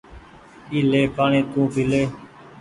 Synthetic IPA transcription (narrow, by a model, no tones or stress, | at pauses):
iːleːpaːɳẽːt̪ũːpiːleː